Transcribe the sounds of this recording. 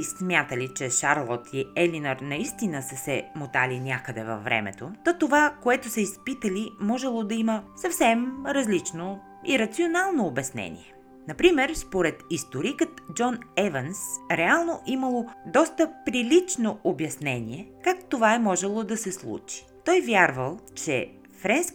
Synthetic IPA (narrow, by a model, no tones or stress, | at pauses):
smʲjat̪əlit͡ʃɛʃaɾlˠɔt̪ʰiɛlinəɾnɐist̪inəsəsɛmot̪alinʲakəd̪ɛvɐ̰fːɾɛ̰mɛ̰t̪ot̪ot̪ovakoɛt̪osəispit̪əlimɔʒɛlˠod̪ɐiməsɐfsɛmɾɐzlit͡ʃno | ḭɾɐt̪sionalˠnoːbɛsnɛ̰nʲḭɛ | nɐpɾimɛɾspoɾɛt̪ist̪oɾikət̪d͡ʒɔnɛvənsɾɛalˠnoʔiməlˠod̪ɔst̪əpɾilit͡ʃnoʔobjɐsnɛnʲḭɛkakt̪ovaɛmɔʒɛlˠod̪ɐsɛslˠṵt͡ʃi̥t̪ɔjvʲjaɾvəlˠt͡ʃɛ̰ | fɾɛns